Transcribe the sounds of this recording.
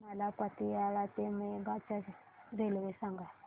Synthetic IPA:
nalapat̪ijaɺat̪emeɡat͡ʃa | ɾelwesaŋɡa

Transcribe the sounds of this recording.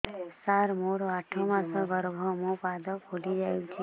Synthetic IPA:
saɾmoɽaʈʰomãsə̃ɡəɾbʱɔmopad̪əkʰolid͡ʒaːjut͡ʃʰi

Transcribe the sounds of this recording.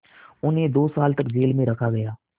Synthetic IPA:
ʊnẽd̪oːsaːlt̪əkd͡ʑeːlmẽɾəkʰaɡəjaː

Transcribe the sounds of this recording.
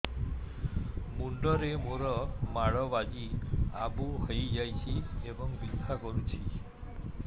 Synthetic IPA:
muɳɖɔɾemoɾɔmaɭɔʋad͡ʒia̰buɦɔjd͡ʒajt͡ʃʰiebɔŋbid̪ʱakɔɾut͡ʃʰi

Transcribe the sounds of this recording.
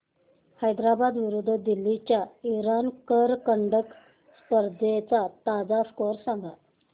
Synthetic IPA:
həjd̪ɾabad̪ʋiɾud̪ʱːd̪ilːit͡ɕjaiɾankəɾkəɳɖək | spəɾd̪ʱet͡sat̪ad͡zaskoɾsaŋɡa

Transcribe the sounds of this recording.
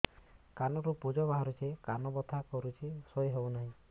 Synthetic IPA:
kanɔɾupud͡ʒɔbaɦɔɾut͡ʃʰekanɔbɔt̪ʰakɔɾut͡ʃʰesɔjɦewnaɦĩ

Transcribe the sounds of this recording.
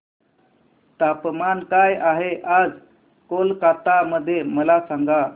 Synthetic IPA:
t̪apmankajaɦeʔad͡z | kolkat̪aməd̪ʱːjeməlasaŋɡa

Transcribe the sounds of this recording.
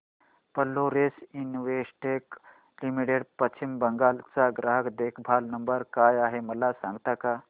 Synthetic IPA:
pəlːoɾesinʋesʈek | limiʈeɽpət͡ʃʰimbəŋɡalt͡saɡɾaɦəkd̪ekʰbʱalnəmbəɾkajaɦeməlasãŋɡt̪aka

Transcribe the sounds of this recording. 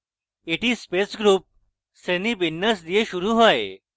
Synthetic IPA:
eʈiːspesɡɾuːp̚ | senibinːəsd̪ijeɕuɾuːɦoje

